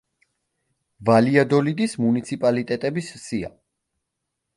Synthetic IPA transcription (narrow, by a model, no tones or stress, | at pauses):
valiad̪ɔlid̪ismunit̪sʰipʼalit̪ʼɛt̪ʼɛbissia̰